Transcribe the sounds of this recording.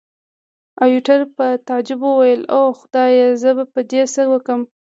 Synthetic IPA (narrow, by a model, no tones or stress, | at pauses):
ajuʈaɾpət̪ad͡ʒʊbəwajəloxʊd̪̥ɑjezəbapəd̪esəwəkəm